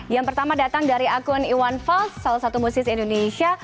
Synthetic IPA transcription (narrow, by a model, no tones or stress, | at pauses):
jaŋpərt̪amadat̪aŋdaɾiakʊniwanfalsːalasat̪umusɪsindonesia